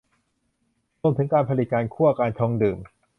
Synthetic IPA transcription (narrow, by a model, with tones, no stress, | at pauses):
ɾu˧mt̪ʰɯ˩˦ŋkaː˧npʰa˧li˨˩t̪̚kaː˧nkʰuː˥˩ʔa˧kaː˧nt͡ɕʰɔː˧ŋdɯː˨˩m